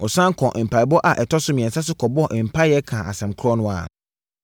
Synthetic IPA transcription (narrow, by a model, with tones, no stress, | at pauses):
ɔ˨sã˦ŋ˦kʰɔ̃˨ʔ̩˨pʰa˨i˨bɔ˦ʔa˨ʔɛ˨tʰɔ˦sʊ˦mĩ˨ɛ̃˨n˨sa˦s̬ʊ˦kʰɔ˨bɔ˦ɔ˦˨ʔm̩˨pʰa˦jɛ˦kʰãː˨ʔa̰˨sɛ̃˨mkʰʊ˦ɾɔ˦nʊ̃˦a̰˨